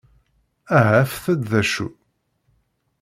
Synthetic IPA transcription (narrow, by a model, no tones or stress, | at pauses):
æɦæfθæd̪ðæʃṵ